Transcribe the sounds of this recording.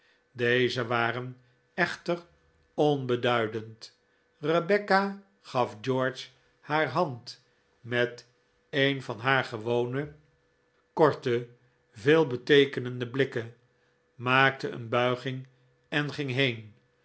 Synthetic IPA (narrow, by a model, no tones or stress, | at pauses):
dejzəʋaːrən | ɛχtər | ɔnbədœɥdənt | rəbɛka | χɑfd͡ʒɔːɹt͡ʃ | haːɹɦɑnt | mɛt | ejnfɑnɦaːɹχəʋownə | kɔɹtə | veːlˠbətejkənəndəblɪkə | maːk̚təə̰nbœɥχɪŋ | ɛnχɪŋɦejn